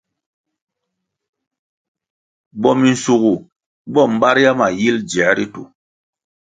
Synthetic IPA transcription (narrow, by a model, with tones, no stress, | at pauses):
bɔ˦mi˨n̩˨su˨ɡu˨ | bɔ˦˨m̩˨˦ɓa˦ɾja˦ma˨ji˦ld͡ʒɛ˨˦ɾi˦tu˨